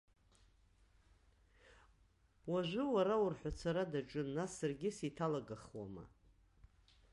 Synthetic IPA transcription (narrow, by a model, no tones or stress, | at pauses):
waʒʷʊwaɾaʊrħʷat͡sʰaɾadaʈ͡ʂʷʼʊnːasːarɡʲɪsitʰalaɡaχwa̰ma̰